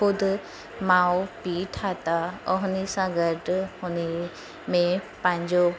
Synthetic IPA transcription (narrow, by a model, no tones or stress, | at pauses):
ʊd̪ʱ | maːwpiːʈʰaːt̪aɔɦʊnisãɡəʈhʊni | mẽpə̃ɦɪ̃ɲd͡ʑo